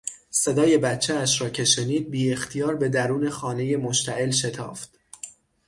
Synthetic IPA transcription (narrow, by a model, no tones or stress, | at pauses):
se̞d̪ɒːje̞bæt̪t͡ʃʰːeæʃɾɒːcʰe̞ʃe̞niːd̪̚biːext̪ʰijɒːɾbe̞d̪æɾuːne̞xɒːne̞je̞moʃt̪ʰæʔe̞lʃe̞t̪ʰɒ̰ːft̪̚